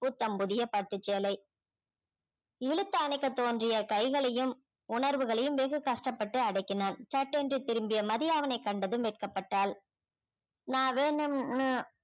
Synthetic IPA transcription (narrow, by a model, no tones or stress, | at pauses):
pʊt̪ːɐmpʊðɪjɐpɐʈːɯt͡ʃːeːlɐɪ | ɪɻɯt̪ːɐːnɐɪkːɐt̪ːoːndrɪjɐkɐɪɣɐɭɐjɯm | ʊɳɐɾʋɯɣɐɭɐjɯmʋeːɣɯkɐʂʈɐpːɐʈːɯɐɽɐɪkːɪnaːnt͡ʃɐʈːɛndrit̪ɪɾɯmbɪjɐmɐðɪjaːʋɐnɐɪkːɐɳɖɐðɯmʋɛːʈ̚kɐpːɐʈːaːl | naːʋeːnɯmnɯ